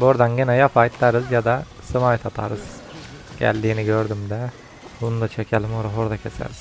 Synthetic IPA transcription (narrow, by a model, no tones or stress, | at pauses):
boɾd̪anɟinɛjafajt̪lˠaɾɯzjad̪a | sɯmaːjt̪ʰat̪ʰa̰ɾɯz̥ | ɟ̥æ̰lʲd̪iːniɟøɾd̪ymd̪ɛ | unud̪at͡ʃʰecʰelʲimoɾaɦoɾd̪acʰesɛ̰ɾiz